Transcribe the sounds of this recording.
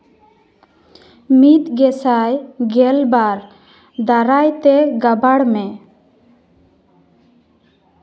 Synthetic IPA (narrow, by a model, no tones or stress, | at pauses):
mit̪ɡɛsajɡɛlbaɾ | d̪aɾajt̪ɛɡabaɽmɛ